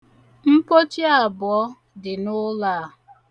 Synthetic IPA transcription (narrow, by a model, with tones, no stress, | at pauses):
m̩˦po˦t͡ʃi˦a˨bʊ˨ɔ˦ | dɪ˨nʊ˦laː˦˨˦ɦʊ˨